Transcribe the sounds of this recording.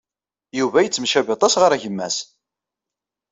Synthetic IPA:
juvæjət͡sːmʃæbɑt̪ˤɑsʁəɾæʝəmːæ̰s

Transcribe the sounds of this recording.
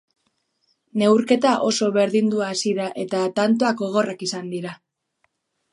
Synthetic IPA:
ne̞wɾke̞t̪aʔo̞so̞βe̞ɾðind̪uaːsiðaʔe̞t̪at̪ant̪oako̞ɣ̞o̞rakisand̪iɾa

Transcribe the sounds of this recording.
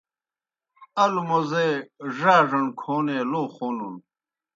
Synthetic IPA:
ɐlumɐzeʐaːʐɐɳkʰoːneːloːχoːnun

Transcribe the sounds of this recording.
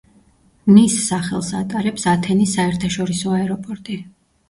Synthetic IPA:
misːaχɛlˠsa̰t̪ʼaɾɛpsat̪ʰɛnisaɛɾt̪ʰaʃɔɾisɔaɛɾɔpʼɔɾt̪ʼi

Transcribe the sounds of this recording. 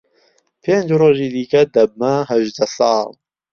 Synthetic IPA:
pʰeːnd͡ʒroːʒiːd̪ikɐd̪ɐb̚mɐɦɐʒd̪ɐsɑːl

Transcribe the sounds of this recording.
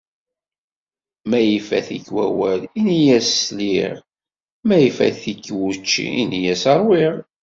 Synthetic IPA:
mæjifæ̰θiçwæwælinijæsːliʁ | mæjifæ̰θikːwut͡ʃːḭinjæsɑɾˤwiʁ

